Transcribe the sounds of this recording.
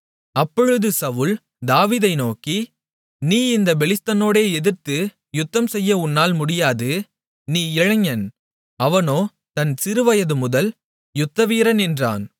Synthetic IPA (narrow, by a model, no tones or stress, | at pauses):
ɐpːɔɻɯðɯsɐʋɯl | d̪aːʋiːðɐɪnoːki | niːɪnd̪ɐbɛlɪst̪ɐnoːɽeːɛðɪɾt̪ɯ | jʊt̪ːɐmsɛjːɐʊnːaːlmʊɽɪjaːðɯ | niːɪɻɐŋːɐn | ɐʋɐnoː | t̪ɐnsɪɾɯʋɐjɐðɯmʊðɐl | jʊt̪ːɐʋiːɾɐnɛndra̰ːn